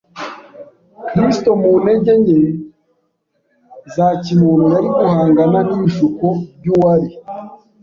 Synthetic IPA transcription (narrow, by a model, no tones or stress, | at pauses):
kɾisto̞mune̞ɟe̞ɲe̞ | zacimuːnujaɾiɡuhaːŋɡananiʃukob̚ɟuwaɾi